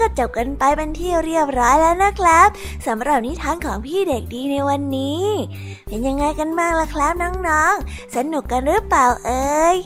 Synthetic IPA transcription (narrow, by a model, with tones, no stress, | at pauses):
kɔː˥˩t͡ɕa˨˩p̚ka˧npa˧jpa˧nt̪ʰi˥˩wɾi˥˩əp̚ɾɔː˦˥jlɛː˦˥wna˦˥kʰɾa˦˥p̚ | sa˩˦mɾa˨˩p̚niː˦˥t̪ʰaː˧nkʰɔː˩˦ŋpʰiː˥˩de˨˩k̚diː˧na˧jwa˧nːiː˦˥ | pʰe˧nja˧ŋːa˧jka˧nmaː˥˩k̚lɛː˦˥kʰla˦˥p̚nɔː˦˥ŋnɔː˦˥ŋ | sa˧nu˨˩kːa˧nɾɯː˦˥plaː˨˩wʔɤː˧j